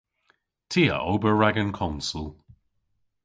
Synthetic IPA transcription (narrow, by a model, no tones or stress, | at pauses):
tʰiːə̰ʔoːbəɹaɡənkʰɔnsulˠ